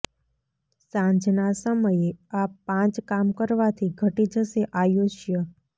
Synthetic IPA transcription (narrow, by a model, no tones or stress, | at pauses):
sãɲd͡ʒnasəməjeapãt͡ʃkamkəɾʋat̪ʰiɡʱəʈid͡ʒəseʔajoʃjə